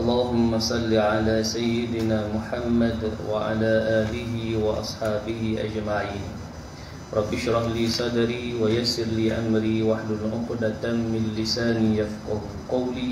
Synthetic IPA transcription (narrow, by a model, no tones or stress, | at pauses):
ʔɑlˤːɑːɦʊmːasˤɑlːiʕalaːsajːɪd̪ɪnaːmʊħamːad̪wʔa̰ʕa̰laːʔaːlɪɦɪwɑʔɑ̰sˤħɑːbɪhɪʔa̰d͡ʒmaʕiːn | ɾˤɑbːɪʃɾˤɑhliːsˤɑd̪ɑɾiːwajasːɪɾliːʔamɾiːwaħlʊlʔʊxd̪at̪amːɪlɪsaːnijafqɑh | qɑwliː